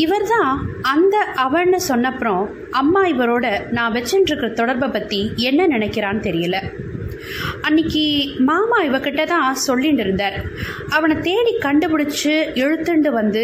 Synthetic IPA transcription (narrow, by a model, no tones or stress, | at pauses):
ɪʋɐɾt̪ãːɐnd̪ɐʔɐʋɐɳːɯsɔnːɐpːɯɾõː | ɐmːaːɪʋɐɾoːɽɐnãːʋɛt͡ʃːɪɳɖɪɾɯkːɪɾɐt̪ɔɽɐɾbɐpɐt̪ːiɛnːɐnɪnɛkːɪɾaːnɯt̪ɛɾɪjɐlɐ | ɐnːɪkːimaːmaːɪʋɐkɪʈːɐt̪ãːsɔlːiɳɖɪɾɯnd̪aːɾ | ɐʋɐɳɐt̪eːɳikɐɳɖɯpɪɽɪt͡ʃːɯɛɻɯt̪ːɯɳɖɯʋɐnd̪ɯ